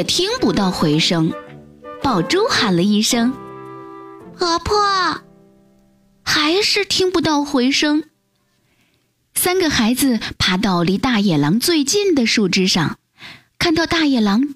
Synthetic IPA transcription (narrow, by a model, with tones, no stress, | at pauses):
t̪ʰi˥ŋpu˧t̪ɑ˥˩ʊxwe˧˥ɪʂɤ˥ŋ | pɑ˨˩ʊʈ͡ʂo˥ʊxa˨˩nlə˦i˥˩ʂɤ˥ŋ | pʰɤ˧˥pʰɔ˥˩ | xa˧˥ɪʂɻ̩˥˧t̪ʰi˥ŋpu˧˥t̪ɑ˥˩ʊxwe˧˥ɪʂɤ˥ŋ | sa˥nɡə˨xa˧˥ɪd͡zɹ̩˧pʰa˧˥t̪̬ɑ˥˩ʊli˧˥t̪a˥˩jɛ˨˩lɑ˧˥ŋt͡swe˥˧ɪt͡ɕi˥˩nd̪ə˨ʂu˥˩ʈ͡ʂɻ̩˥ʂɑ̰˥˧ŋ | kʰa˥˧nt̪ɑ˥˧ʊt̪a˥˩jɛ˨˩lɑ˧˥ŋ